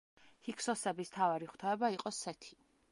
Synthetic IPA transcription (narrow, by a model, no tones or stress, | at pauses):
hikʰsɔsɛbist̪ʰavaɾiχw̥t̪ʰaɛbaiqʼɔsɛt̪ʰi̥